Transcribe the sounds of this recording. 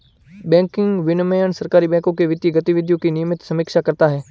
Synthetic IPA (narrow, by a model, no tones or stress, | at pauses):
bɛ̃ːŋkɪŋɡʋɪnməjənsəɾkaːɾibɛ̃ːkõkeʋɪt̪jiɡət̪iʋɪd̪ʱjõkinɪjəmɪt̪sɐmiːkʃakəɾt̪aɦɛː